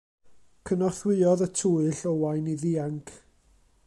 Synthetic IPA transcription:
kʰənɔrθwɪɔðətʰuɨɬɔwajniðiːaŋkʰ

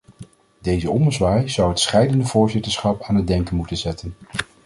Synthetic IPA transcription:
dejzəɔmdəzʋaːjz̥ʌwɦətsχɛjdəndəvʊːɹzɪtəɹsχɑpaːnɦəd̚dɛŋkənmutənzɛtən

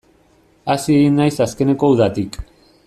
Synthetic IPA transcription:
asie̞ɣinːajsaske̞ne̞ko̞uðat̪ik

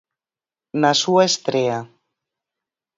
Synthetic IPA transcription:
nasuaest̪ɾea

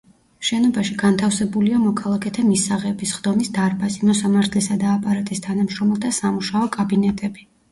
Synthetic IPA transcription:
ʃɛnɔbaʃiɡant̪ʰafsɛbuliamɔkʰalˠakʰɛt̪ʰamisaʁɛbisχd̪ɔmisd̪aɾbasimɔsamaɾt̪ʰlɛsad̪aːpʼaɾat̪ʼist̪ʰanamʃɾɔmɛlˠt̪ʰasamuʃaɔkʼabinɛt̪ʼɛbi

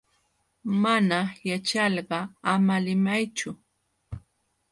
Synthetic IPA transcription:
manajat͡ʃɑʎɢɑamalɪmajt͡ʃʊ

